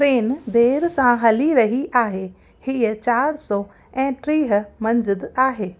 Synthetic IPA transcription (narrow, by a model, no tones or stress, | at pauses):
ɾeːnd̪eːɾsãɦɐliɾɐɦiʔaːɦe | hiət͡ɕaːɾsɔː | ɛ̃ːʈɾiːɦmɐ̃ɲzɪd̪aːɦeː